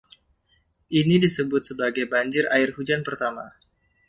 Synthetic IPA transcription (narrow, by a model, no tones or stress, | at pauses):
ʔinidisəbʊt̪̚səbaɡajbaɲd͡ʒɪraɪrhud͡ʒanpərt̪ama